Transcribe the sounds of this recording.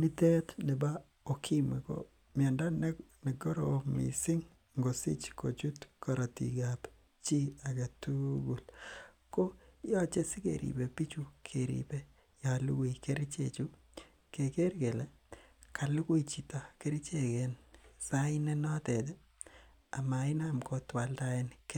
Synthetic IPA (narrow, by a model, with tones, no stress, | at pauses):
ni˦tɛ˦tnɛ˨ba˦ | o˨kʰi˦mi˨ko̰˦ | mja˨nda˦nnɛ˨ɡo˦ɾomḭsɪ˦ŋ | ŋɡo˨sḭ˦t͡ʃko˨t͡ʃu˦tkɔ˨ɾa˨tḭ˨ɡap | t͡ʃi˦a˨ɡa˨tu˦ɡu˨l | ko˦ja˦t͡ʃe˦sɪ˦kḛ˨ɾḭ˨be˨pi˦t͡ʃu˦kʰeɾḭbe˦ | jalu˦ki˨ke˦ɾi˦t͡ʃḛt͡ʃu˦ | keke˦ɾke˨le˦ | kʰa˨lu˦kwu˦it͡ʃi˨ta˨ke˦ɾi˦t͡ʃekensaɪne˦nɔ˦tedɛ | a˨ma˨ɪnamko˨twa˨ltaenke